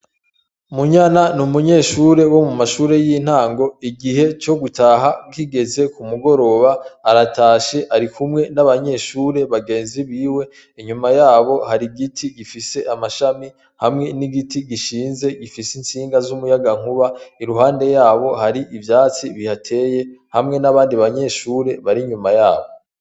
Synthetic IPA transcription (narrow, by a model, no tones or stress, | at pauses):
muɲananumuɲe̞ːʃuɾe̞wo̞mumaʃuːɾe̞jin̥haːŋɡo̞iɡiɦe̞t͡ʃo̞ɡutʰaɦakiɡe̞ze̞kumuɡo̞ɾo̞βaːɾataːʃe̞ʔaɾikumŋe̞naβaɲe̞ːʃuːɾe̞βaɡeːnziβiːwe̞ | iɲumajaːβo̞haɾiɡitʰiɡifise̞ʔamaʃami | hamŋe̞niɡitiɡiʃiːnze̞ɡifisinsiːŋɡazumujaɡaŋ̥uβaiɾuɦaːnde̞jaːβo̞haɾiʔivjaːt͡siβihatʰe̞ːje̞hamŋe̞naβaːndiβaɲe̞ːʃuːɾe̞βaɾiɲumajaːβo̞